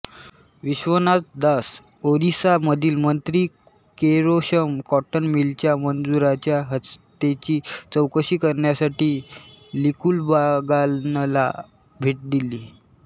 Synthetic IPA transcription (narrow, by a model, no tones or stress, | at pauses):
ʋiɕʋənat̪d̪as | oɾisaməd̪ʱiːlmənt̪ɾiː | keɾoɕəmkɔʈənmilt͡ɕjamənd͡zuɾat͡ɕjaɦəst̪et͡ɕiːt͡səwkəɕiːkəɾɳjasaʈiːlikuːlbaɡanla̰ | bʱiːʈ̚d̪iliː